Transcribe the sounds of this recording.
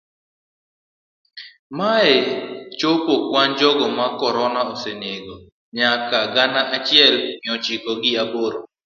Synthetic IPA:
maɛt͡ʃopokwand͡ʒɔɡɔmakɔɾɔnaoseneɡo | ɲakaɡanaʔat͡ʃɪɛlmɪɔt͡ʃikɔɡɪaboɾo

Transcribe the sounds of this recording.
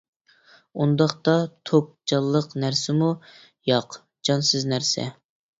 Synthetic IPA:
und̪ɑχt̪ɑt̪ʰop̚d͡ʒɑlˠːəqnæɾsɪmu | jɑq | d͡ʒɑnsɨznæɾsɛ̰

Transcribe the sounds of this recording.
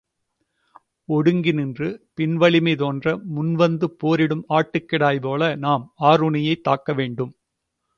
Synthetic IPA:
ɔɽɯŋɡɪnɪndrɯpɪnʋɐɭɪmɐɪt̪oːndrɐmʊnʋɐnd̪ɯpːoːɾɪɽɯmaːʈːɯkːɪɽaːjpoːlɐnaːmaːɾʊɳɪjɐɪt̪ːaːkːɐʋeːɳɖɯm

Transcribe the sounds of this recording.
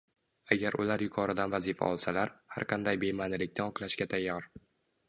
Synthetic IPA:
aɡʲaɾʊ̰laɾjʊkʰɒɾɪd̪anvazifa̰ɒlˠsalaɾha̰ɾqʰɑnd̪ajbe̞manɪlɪk̚ʲnɪɒqlˠaʃkʲat̪ʰajːɒɾ

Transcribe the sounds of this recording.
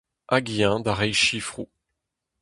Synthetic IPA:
ʔaɡijɛ̃d̪aʁɛjʃifχu

